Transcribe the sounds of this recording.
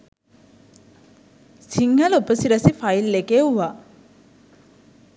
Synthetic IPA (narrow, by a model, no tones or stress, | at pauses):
siŋhɐlupəsiɾɐsifɐjlːekeuʋa